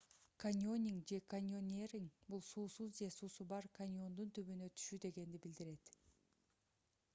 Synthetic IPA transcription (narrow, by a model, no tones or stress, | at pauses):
kanʲo̞nʲiŋd͡ʒe̞kanʲo̞nʲerʲiŋbulˠsuːsuzd͡ʒe̞suːsubɑɾkʰanʲo̞nd̪unt̪yβynøt̪ʰy̥ʃyd̪e̞ɡe̞nd̪ibild̪iɾe̞t̪